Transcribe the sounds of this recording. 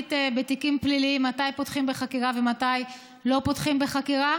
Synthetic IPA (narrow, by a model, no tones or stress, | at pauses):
tebetikimpliliimːatajpotχimbe̞χakiʁave̞mataj | lo̞potχimbeχakiʁa